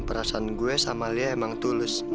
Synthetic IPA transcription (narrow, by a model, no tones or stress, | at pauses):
pəɾasanɡuɛsamaliaemaŋt̪ulɪsn